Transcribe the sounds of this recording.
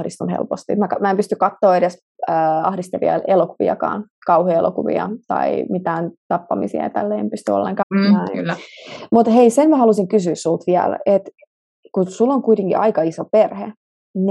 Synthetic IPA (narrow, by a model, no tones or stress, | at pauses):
hdist̪unhḛlpost̪imækɑmæempyst̪ykkɑt̪ːoːeɾes | øːɑhdist̪eʋḭɑ̰elokuʋḭɑ̰kɑ̰ːn | kɑuhiḛlo̰kuʋḭɑ̰t̪ɑ̰imit̪æːnt̪ɑpːɑmḭsḭɑ̰jɑt̪ælːeːempyst̪yo̰lːḛŋkɑːnæi | mut̪heisenmæhɑlusiŋkysyːssult̪ʋiæ̰let̪ | kusulːoŋkuit̪eŋkḭʔɑikɑisoperhḛ | n